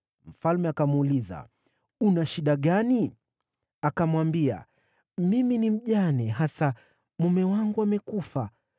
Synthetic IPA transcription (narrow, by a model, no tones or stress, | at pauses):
m̩falmɛakamuliza̰ | unaʃiɗaɠani | akamwambia̰ | miminim̩ʄanɛɦasa | mumɛwaŋɡuamɛkufa